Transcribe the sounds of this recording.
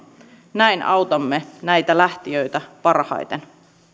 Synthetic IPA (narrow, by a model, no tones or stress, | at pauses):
næinʔɑ̰wt̪ɑmːe̞næjt̪ælæht̪iøjt̪æpɑrhɑ̰jt̪en